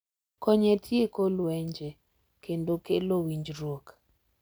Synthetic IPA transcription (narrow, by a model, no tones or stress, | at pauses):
kɔɲɛtʰjekolwɛɲd͡ʒɛ | kendokelowiɲd͡ʒɾwok